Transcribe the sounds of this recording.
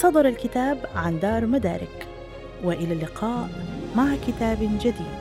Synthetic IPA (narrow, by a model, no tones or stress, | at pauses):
sˤɑd̪ˤɑɾˤalkɪt̪aːbʕand̪ɑːɾˤmad̪aːɾɪk | wɪʔɪlalːɪqʰɑːʔmaʕkɪt̪aːbd͡ʒad̪iːd̪